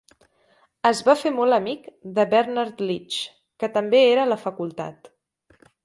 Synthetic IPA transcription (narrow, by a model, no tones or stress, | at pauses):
əzβafemɔlˠəmikd̪əβɛɾnaɾt̪lit͡ʃ | kət̪əmbeeɾələfəkulˠt̪a̰t̪